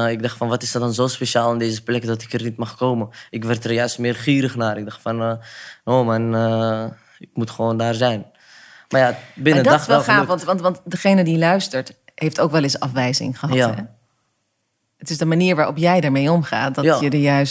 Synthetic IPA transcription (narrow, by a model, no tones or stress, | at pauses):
ɪɡ̚dɑχtfɑnʋɑtɪsdɔdɑnzoːspeʃaːlˠɪndejzəplɛkdɔtɪkərnitmɑχkowməʔɪkʋɛrtərjœɥstmɪːrχiːɾəχnaːɾɪɡ̚dɑχtfɑnnoːmanə | ɪk̚mutχəʋoːndaːrzɛjn | mmaːjabɪnədɑɛlχafɑntʋɑntʋɑntdəχejnədilœɥstəɹt | hejftowkʋɛlˠɪsɑ̰fʋɛjzɪ̰ŋχəɦɑtːɛ | ətɪsdəmaniːɹʋaːʔɔpjɛjdaːɹmejɔmχa̰ːt̚dɔjədəjœɥs